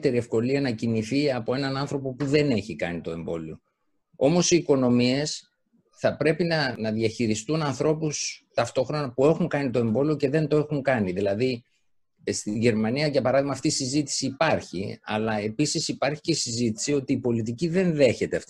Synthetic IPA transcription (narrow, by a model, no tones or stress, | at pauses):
t̪e̞ɾie̞fko̞liɐnɐciniθiɐpo̞e̞nɐnɐnθɾo̞po̞puðe̞ne̞çikɐ̰nit̪o̞e̞mbo̞̰lio | o̞mo̞siːko̞no̞mie̞s | θɐpɾe̞pinɐnɐðiɐçiɾist̪unɐnθɾo̞pust̪ɐft̪o̞xɾo̞nɐpue̞xuŋkɐnit̪o̞e̞mbo̞lioce̞ðe̞nt̪oe̞xuŋkɐniðilɐði | st̪iɲʝe̞ɾmɐniɐʝɐpɐɾɐðiɣmɐːft̪iːsizit̪i̥siːpɐɾçḭɐ̰lɐe̞pisisipɐɾçi̥ce̞isizit̪i̥sio̞t̪iːpo̞lit̪̬iciðe̞nðe̞çe̞t̪e̞ɐft̪